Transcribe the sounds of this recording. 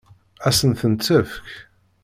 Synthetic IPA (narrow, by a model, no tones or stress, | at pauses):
æsənθənt͡sːəfk